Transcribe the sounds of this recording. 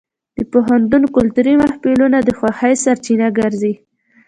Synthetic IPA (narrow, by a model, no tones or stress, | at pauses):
d̪̥əpoɦant̪unkʊlt̪uɾimahpilunad̪əxwaxajsaɾt͡ʃinaɡaɾzi